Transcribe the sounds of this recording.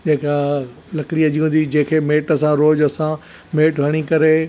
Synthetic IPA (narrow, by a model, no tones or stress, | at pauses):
ʄẽːka | lɐkɽiɐd͡ʑiɦũːn̆d̪id͡ʑɐ̃ɦːkʰemeːʈɐsãɾoːd͡ʑɐsã | meːʈʋɐɽ̃ikɐɾe